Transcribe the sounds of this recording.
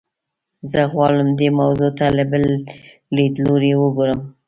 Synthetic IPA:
zəɣwɑɽəmd̪emawzot̪aləbəl | lid̪loɾewəɡoɾəm

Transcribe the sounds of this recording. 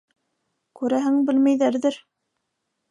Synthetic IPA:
kʉɾæɦɘŋbɘ̆lmæjðæɾðɘɾ

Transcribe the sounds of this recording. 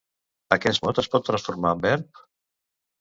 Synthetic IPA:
əkɛsmɔt̪əspɔt̪ːɾə̃nsfuɾmabɛɾp̚

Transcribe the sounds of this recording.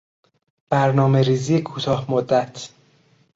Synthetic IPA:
b̥æɾnɒːme̞ɾiːzijekʰuːt̪ʰɒːhmod̪ːæt̪ʰ

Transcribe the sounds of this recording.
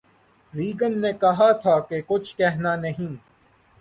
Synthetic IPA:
ɾiːɡənːeːkɐɦat̪ʰaːkekʊt͡ʃʰkɛɦnaːnɐɦĩː

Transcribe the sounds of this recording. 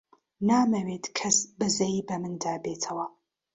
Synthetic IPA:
naːmɐweːtʰʼkʰɐsbɨzɐjbɐmɨndaːbeːtʰɐwɐ

